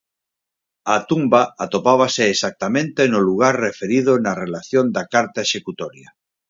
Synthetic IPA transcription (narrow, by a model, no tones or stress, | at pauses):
at̪umbaat̪opaβ̞aseːsak̚t̪amẽnt̪enoluɣ̞aɾrefeɾiðonarelaθjond̪akaɾt̪aeʃekut̪ɔɾja